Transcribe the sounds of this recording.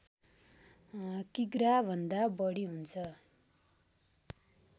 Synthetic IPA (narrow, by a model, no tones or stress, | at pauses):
kiɡrabʱʌnd̪abʌɽiɦunt͡sʰʌ